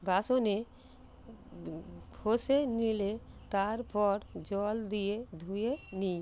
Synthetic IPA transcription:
bʱasone | bʰʱosenilet̪aɾpɔɾd͡ʒɔld̪ijed̪ʱueni

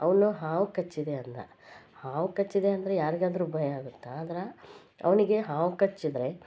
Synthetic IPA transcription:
ɐʋɐnuɦaːʋukɐt͡ʃːid̪eɐnt̪ɐ̰ | haːʋukɐt͡ʃːid̪eɐnd̪ɐɾejaːɾiɡaːd̪ɐɾubʱɐjɐaːɡut̪ːeaːd̪ɐɾɐ | ɐ̰ʋɐniɡe̞ɦaːʋukɐt͡ʃːid̪ɾe̞

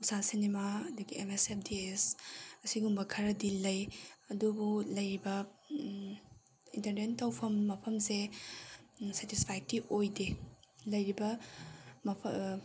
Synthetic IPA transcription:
usasinimaɐduɡiemesep̚ʰdiesɐsiɡumbɐkʰɐɾɐdilɐjɐdubulɐjɾibɐ | intɐɾnentːɐwpʰɐmːɐpʰɐmse | setispʰajk̚tiʔojdelɐjɾibɐ | mɐpʰ

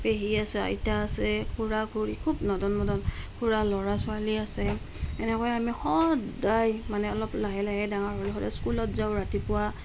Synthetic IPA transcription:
peɦiasɛa̰jtaːsɛkʰuɹakʰuɹikʰubnɔdɔnmɔdɔnkʰuɹalɔɹasʊaliasɛ | ɛnɛkɔjɛamihɔdajmanɛɔlɔplaɦɛlaɦɛdaŋaɹɦɔlɛxɔdaskulɔtzaʊɹatipʊwa

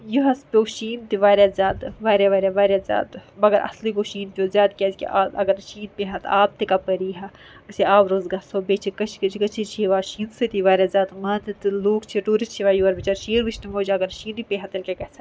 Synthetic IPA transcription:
juɦɐspʲoːʃiːnt̪iʋaːɾjazʲjaːd̪ʋaːɾjaʋaːɾʲjaʋaːɾjazʲja̰ːd̪mɐɡɐɾʔɐ̰slikoʃiːnʲjozjaːd̪kʲɛskḭʔaːɐ̰ɡɐɾʃiːnpeɦɐt̪aːb̚t̪ikapɐɾiːɦa | ɐsiaːwɾoːzɡaːsoːbet͡ʃʰikɐt͡ʃʰkɐt͡ʃkɐt͡ʃʰit͡ʃʰiʋaːʃiːnsɨt̪iʋaːɾʲjaːzʲaːt̪mɐt̪it̪ɨluːkt͡ʃʰiɾuːɾit͡ʃʰiʋaːjuɐɾbit͡ʃɐɾʃiːɾʋiʃʰnimoːd͡ʒɐɡɐɾʃiːnipeɦɐt̪ɐlkʲekɐsa

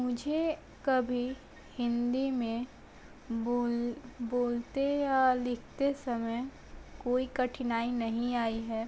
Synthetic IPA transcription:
mʊd͡ʒʱe | kɐbʱi | hɪ̃nd̪imẽ | olboːlt̪ejalɪkʰt̪esɐməj | koːikɐʈʰɪnaːinɐɦĩaːiɦɛː

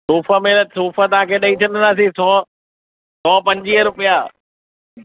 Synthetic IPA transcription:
suːfəmeləsuːfət̪ɐʋ̤ãkʰeːɗɐĩt͡ɕʰɐnənd̪aːsĩsɔː | sɔːpɐ̃ɲd͡ʑiːəɾʊpija

